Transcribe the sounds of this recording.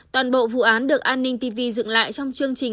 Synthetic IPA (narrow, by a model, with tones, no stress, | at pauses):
t̪waː˨˩nɓo̰˧˨vṵ˧˨ʔaː˨˦nɗɨ˨˩ək̚ʔaː˧nːï˧ŋ̟t̪i˧vi˧zɨ̰˧˨ŋla̰ː˧˨jt͡ɕɔ˧wŋ͡mt͡ɕɨ˧əŋt͡ɕï˨˩ŋ